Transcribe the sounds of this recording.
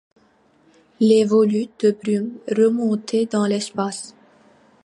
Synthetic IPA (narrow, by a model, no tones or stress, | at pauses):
levɔlyd̪̥əbɾymʁəmɔ̃t̪ʰed̪ɑ̃lɛspas